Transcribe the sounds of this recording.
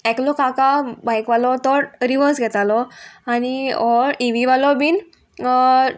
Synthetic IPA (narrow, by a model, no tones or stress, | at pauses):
ɛklɔkakabajkʋalɔt̪ɔɾɾiʋəɾsɡʱɛt̪alɔañiɔɾiʋiʋalɔbiːn